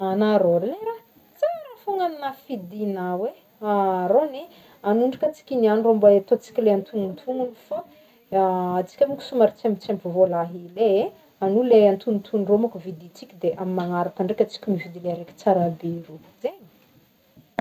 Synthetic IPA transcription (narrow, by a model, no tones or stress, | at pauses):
anaɾoɾileɾa | t͡saɾafoŋaninafid̪inawe | aɾone | anuɳɖ͡ʐakət͡si̥kʲinianroambaet̪ot͡si̥kʲileant̪ʰuŋunt̪ʰuŋunifo | at͡si̥kʲamiku̥sumaɾit͡semit͡sempuvolaɦilee | anuleant̪unnt̪ʰunromakuvid̪it͡sikʲid̪eʔamimaŋaɾakaɳɖ͡ʐekʲat͡si̥kʲimivid̪ileaɾekʲi̥t͡saɾabeiɾu | zeɲi̥